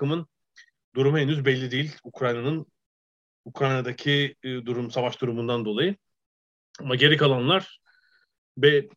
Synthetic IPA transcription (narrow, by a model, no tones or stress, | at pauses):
ɯmɯn | d̪uɾumhɛnyzbɛlʲːid̪ejilʲukʰɾajnanɯn | ukʰɾajnad̪acʰid̪uɾumsavaʃd̪uɾumund̪and̪o̞lˠajɯ | amaɟe̞ɾikʰalˠanlˠaɾ̥ | bɛ